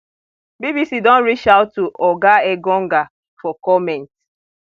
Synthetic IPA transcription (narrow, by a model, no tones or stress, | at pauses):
bibisidɔ̃nɾit͡ʃaʊtːuʔɔɡaeɡɔŋ̩ɡa | fɔkɔmɛ̃nt